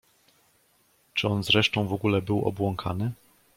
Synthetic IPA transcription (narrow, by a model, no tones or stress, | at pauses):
t͡ʂɘɔnzɾɛʂt̪ɔ̃w̃vɔɡulɛbɘwɔ̰bwɔŋkʰanɘ